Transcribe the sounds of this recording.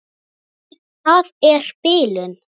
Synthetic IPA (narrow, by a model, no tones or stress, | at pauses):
θaðɛɾ̥pɪːlʏn